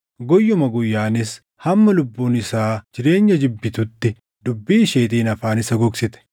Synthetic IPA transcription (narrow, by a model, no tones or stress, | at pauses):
ɡɔjːʊmɐɡʊjːaːnɪs | hɐmːɐlʊbːuːnɪsaːd͡ʒɪɾe̞ːɲːɐd͡ʒɪbːɪt̪ʊt̪ːɪ | d̪ʊbːiːʃeːt̪iːnɐfaːnɪsɐɡɔksɪt̪ɛ̥